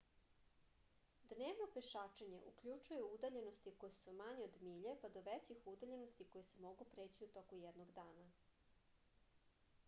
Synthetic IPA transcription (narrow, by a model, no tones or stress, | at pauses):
d̪neːʋnopeʃaːt͡ʃeɲe̞ʔukʎut͡ʃuje̞uud̪aʎe̞no̞st̪iko̞jesumaɲeod̪miʎepad̪o̞ʋet͡ɕixud̪aʎe̞nost̪iko̞jesemo̞ɡupɾeːt͡ɕiut̪o̞kujɛd̪noɡd̪aːna